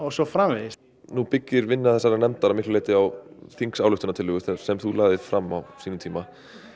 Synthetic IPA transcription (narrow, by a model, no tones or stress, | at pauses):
ɔsɔfɾaːmvɪðɪs | nupɪcːɪɾvɪnːaθɛsːaɾnɛmt̪aɾamɪhklʏleːjt̪ɪawθiŋksaːwlʏht̪ʏnat̪ʰɪlɦʏːɣʏθɛsɛmθulaːðɪðfɾamːa̰wsiːnʏmt̪ʰiːma